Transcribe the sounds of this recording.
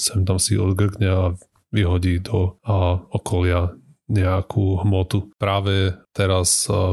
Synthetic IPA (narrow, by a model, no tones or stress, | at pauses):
sɛmt̪amsiɔ̰d̪ɡr̩ɡɲɛa | ʋiɦɔɟiːd̪ɔ | ɔkʰɔlɪa | ɲɛakʰuɦmɔt̪upɾaːʋɛt̪ɛɾas